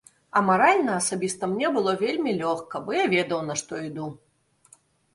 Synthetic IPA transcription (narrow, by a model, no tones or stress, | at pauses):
ɐmaɾalʲnɐɐsabʲist̪ɐmnʲɛbɨlˠɔvʲelʲmʲilʲɔxkɐbɔjavʲɛd̪ɐwnɐʂt̪ɔid̪u